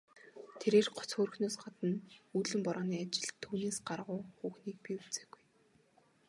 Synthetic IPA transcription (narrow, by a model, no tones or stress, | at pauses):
t̪ʰeɾeːrɢɔ̥t͡sxoːr̆xnoːsɢat̪ə̆nuɮɘ̆mpɔɾɔːniːat͡ɕɪ̆ɮt̪ʰːuːneːsɢarʁʊːxuːxniːk̚piːut͡seːɡuj